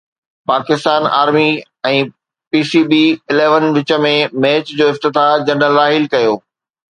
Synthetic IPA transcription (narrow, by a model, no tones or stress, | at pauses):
paːkɪst̪aːna̰ːɾmi | ɛ̃ː | piːsiːbiɪleːʋənʋɪt͡ɕə̆mẽmeːt͡ɕd͡ʑoːɪft̪ɪt̪ad͡ʑɐnə̆lːaːɦɪlkɐjoː